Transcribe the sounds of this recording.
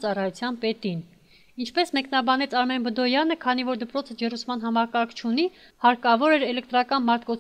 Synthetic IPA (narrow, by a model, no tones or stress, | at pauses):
t͡sɑrɑjut͡sʰjɑnpɛt̪in | int͡ʃʰpɛsmɛkn̪ɑbɑnɛt͡sʰɑɾmɛnbəd̪ɔjɑnəkʰɑnivɔɾd̪əpɾɔt͡sʰəd͡ʒɛrusmɑn̪ɦɑmɑkɑɾkʰt͡ʃʰuni | hɑɾkɑvɔɾɛɾɛlɛk̚t̪ɾɑkɑnmɑɾt̪̚ʰkɔt͡sʰ